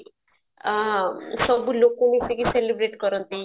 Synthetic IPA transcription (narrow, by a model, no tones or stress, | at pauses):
sɔbulokunesikiselibɾeʈkɔɾɔnt̪i